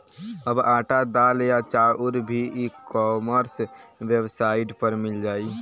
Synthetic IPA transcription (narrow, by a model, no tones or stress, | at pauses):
əbaːʈad̪aːljat͡ʃaʊɾbʱiikɔməɾswjəwsaiʈpəɾmɪld͡ʒaːi